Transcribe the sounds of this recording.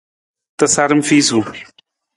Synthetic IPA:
t̪ɐsaɾɨmfisu

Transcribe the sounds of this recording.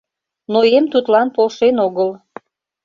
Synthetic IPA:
noemt̪ut̪lɑnpolʃenoɣəl

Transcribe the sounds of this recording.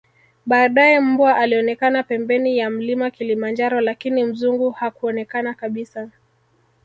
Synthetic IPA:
ɓaːɗajɛm̩bwaʔaliɔnɛkanapɛmbɛnijam̩limakilimand͡ʒaɾɔlakinim̩zuŋɡuhakuɔnɛkanakaɓisa

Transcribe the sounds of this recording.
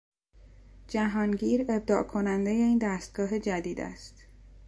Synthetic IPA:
d͡ʒæɦɒːnɟiːɾe̞b̚d̪ɒːʔkʰo̞nænd̪e̞je̞iːnd̪æːst̪̚ɡ̥ɒːɦe̞d͡ʒæd̪iːd̪æ̰st̪

